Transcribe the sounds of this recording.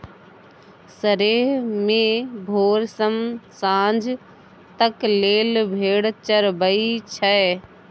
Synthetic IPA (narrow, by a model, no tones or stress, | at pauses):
səɾeːɦmẽbʱoːɾsəmsãːnd͡ʒʱ | t̪ɐkleːlbʱeːɽt͡ɕəɾbəit͡ɕʰə